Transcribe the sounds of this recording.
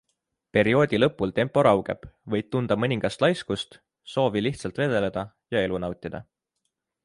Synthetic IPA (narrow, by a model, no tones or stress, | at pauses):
pe̞ɾio̞ːd̪̥ʲilɤ̞pːˑult̪e̞mpːˑo̞ɾɑwɡ̥e̞̰b̥vɤ̞jd̥̚t̪und̪̥ɑmɤnʲiŋɡ̥ɑst̪lɑjskust̪ | so̞ːviliht̪sɑlt̪ve̞d̪̥e̞le̞d̪̥ɑ | jɑe̞lunɑwt̪ʲːˑid̪̥ɑ̰